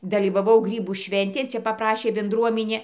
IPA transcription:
dɐlʲiːʋɐˈʋɐʊ ˈɡrʲiːbuː ˈʃʲʋʲɛnʲtʲeːn ˈt͡ʃʲɛ pɐpˈrɑːʃʲeː bʲɛnˈdruɔmʲɪnʲeː

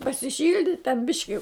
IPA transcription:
pɐsʲɪˈʃʲɪlʲdʲɪtʲ tʲɛn ˈbʲɪʃʲkʲɪ

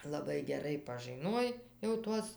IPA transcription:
lˠɐˈbɐɪ ɡʲɛˈrɐɪ pɐʒɨˈnuɔj jɛʊ ˈtuɔs

